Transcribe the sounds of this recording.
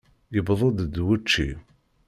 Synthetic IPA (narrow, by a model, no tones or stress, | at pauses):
jəbðˤəd̪d̪wut͡ʃːḭ